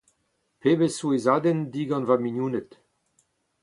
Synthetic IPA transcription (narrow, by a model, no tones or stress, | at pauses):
peːbesuezaːd̪ɛnd̪iɡɑ̃nvaminjuːnət̪